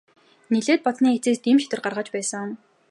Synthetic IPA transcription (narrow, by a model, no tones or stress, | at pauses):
niɮeːt̪̚pɔt͡sniːxet͡seːst̪iːmʃi̥t̪ɘ̆rɢarʁaːt͡ɕpæːsə̆ŋʊn